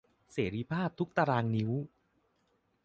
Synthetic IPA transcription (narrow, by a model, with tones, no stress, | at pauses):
seː˩˦ɾiː˧˩pʰaː˥˩p̚t̪ʰu˦˥k̚t̪a˧ɾaː˧ŋni˦˥w